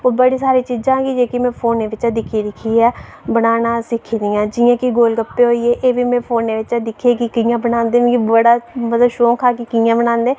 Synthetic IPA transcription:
oːbəɽiːsaːɾiːt͡ʃiːd͡ʒãːɡiːd͡ʒeːkimɛ̃ːpʰoːneːʋɪt͡ʃãd̪ɪkʰiːɾɪkʰiːɛːbənaːnaːsɪkʰiːd̪ɪjãːd͡ʒɪjãːkiɡoːlɡəpːeːɦoːieːʔeːʋiːmɛ̃ːpʰoːnːeːʋɪt͡ʃaːd̪ɪkʰeːkikijãːbənãːnd̪ẽːkibəɽaːmət̪ləbʃoːkʰaːkikijãːbənãːnd̪eː

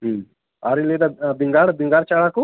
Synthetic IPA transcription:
ɦ | aɾiled̪abɪŋɡaːɽbɪ̃ŋɡaːɽt͡ʃaɭaku

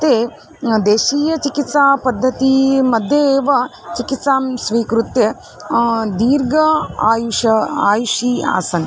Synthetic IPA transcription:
ɐt̪eː | d̪eːʃiːjɐt͡ʃikit̪saːpɐd̪ʱːɐt̪imɐd̪ʱjɐːʋɐt͡ʃikit̪saːmsʋiːkɾut̪jɐ | d̪iːɾɡɐaːjuʃɐaːjuʂiːa̰ːsɐn

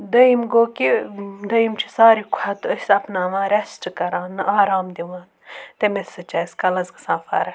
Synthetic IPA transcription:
d̪ɐimɡoːkid̪ɐimt͡ʃʰi̥saːɾikʷʰat̪ɐsɐpnaːʋãːɾesʈkɐɾãːnɨʔaːɾaːmd̪iʋãːn | t̪emesɐt͡ʃɐːskɐlɐzɡɐsãːfa̰ːɾɐ

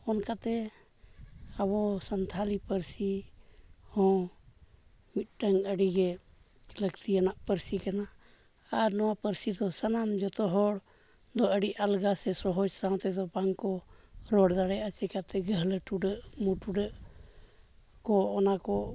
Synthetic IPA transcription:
ɔnkat̪ɛ | aβɔsənt̪ʰalipəɾsi | hɔ̃ | mit̪̚ʈəŋəɽiɡɛ | ləɡt̪ianaʔpəɾsikanaː | ɾnɔwapəɾsid̪ɔsanamd͡ʒɔt̪ɔɦɔɽ | d̪ɔəɖiʔalɡasɛsɔɦɔd͡ʒsaw̃t̪ɛd̪ɔbaŋkɔɾɔɽd̪aɽɛat͡ʃɛkat̪ɛɡəɦləʈuɖəʔmuʈuɖəʔ | kɔɔnakɔ

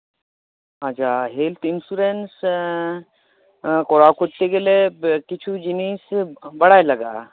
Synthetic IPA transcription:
ɦat͡ʃʰaːɦelt̪ʰinsuɾens | koɾakoʈt̪ekelekit͡ʃʰud͡ʒinisbɐɽaːjlɐɡa̰ː

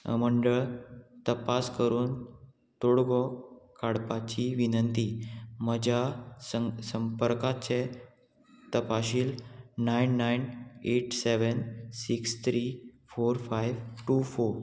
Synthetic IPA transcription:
ə̰məɳɖəɭt̪əpaskəɾuːn | t̪oɽɡɔkaɽpat͡ɕiʋinənt̪iməd͡ʑʱaəsəmpəɾkat͡se | t̪əpaɕiːlnajnːajneʈseʋənsikst̪ʰɾifoɾfajʋʈuːfoɾ

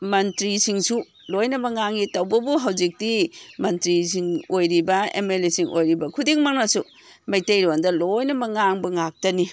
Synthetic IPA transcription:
mɐntɾisiŋsu | lojnɐmɐŋaŋitɐwbɐbuɦɐwd͡ʒik̚dimɐntɾisiŋojɾibɐḛmelesiŋʔo̰jɾibɐkʰudiŋmaŋnɐsu | mɐjtejɾiandɐlojnɐmɐŋaŋbɐŋak̚tɐni

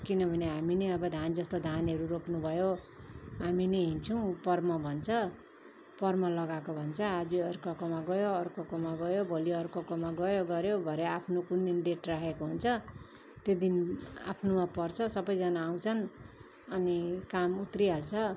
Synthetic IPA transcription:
kinʌbʱʌneɦamineʌbʌd̪ʱand͡zʌst̪od̪ʱanʌɾuropnubʱʌjo | ɦaminʌɦint͡sʰʌw̃pʌrmʌbʱʌnt͡sʰʌ | pʌrmʌlʌɡakobʱʌnt͡sʰʌad͡ziʌrkʌkomaɡʌjoʌrkokomaɡʌjobʱoljiʌrkokomaɡʌjoɡʌɾjobʱʌɾeapʰnokund̪ind̪eʈrakʰekoɦunt͡sʰʌ | t̪jod̪ina̰pʰnomapʌrt͡sʰʌsʌbʌjd͡zanaːw̃t͡sʰʌn | ʌnikamut̪ɾiɦalt͡sʰʌ

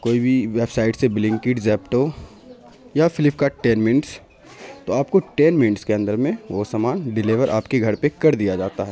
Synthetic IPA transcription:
koːibʱiʋeːbsaːɪʈsebɪlɪ̃ŋkɪʈzɛːpʈo | jafʰɪlɪpkaʈɛːnmɪnʈs | t̪oaːpkoʈeːnmɪnʈskeɐ̃nd̪əɾmẽʋoːsamaːnɖɪleːʋəɾʔa̰ːpkeɡʱɐɾpekɐɾd̪ijad͡ʒaːt̪aɦɛː

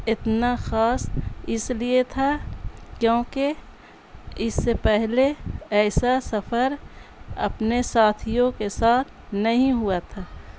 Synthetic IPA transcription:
ɪt̪naxaːsɪsliet̪ʰakjõːke | ɪsːepɛɦleɛːsasɐfʰəɾɐ̰pnesaːt̪ʰijõkesaːt̪ʰnɐɦĩɦʊat̪ʰaː

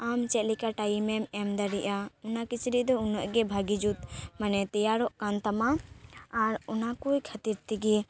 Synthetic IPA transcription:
amt͡ʃɛt̪̚likaʈajimɛmɛmd̪aɾiʔaɔnakit͡ʃɾiʔd̪ɔunɔʔɡɛbʱaɡid͡ʒut̪manɛt̪ɛjaɾɔʔkant̪amaː | ɾɔnakujkʰat̪iɾt̪iɡi

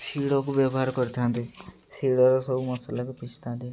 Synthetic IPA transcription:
siɽɔk̬ubjɔbɔɦaɾkɔɾit̪ʰant̪i | siɽɔɾɔsɔbumɔsɔlakupit͡ʃʰi̥t̪ʰãnt̪i

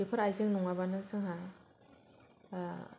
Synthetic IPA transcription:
epʰɯɾajzɯŋnɔŋabanɯsʰɯŋɦa

